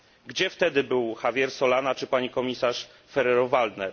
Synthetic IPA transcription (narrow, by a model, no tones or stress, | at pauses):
ɡd͡ʑɛft̪ɛd̪ɘbɘwxavʲjɛɾsɔlanat͡ʂɘpaɲikɔmʲisaʂ | fɛɾɛɾɔvald̪nɛɾ